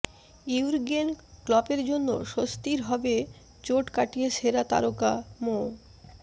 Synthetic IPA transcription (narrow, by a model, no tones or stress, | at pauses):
iuɾɡenklɔpeɾd͡ʑonːo̰ʃost̪iɾɦɔbe | t͡ɕoʈkaʈijeʃeɾat̪a̰ɾokamo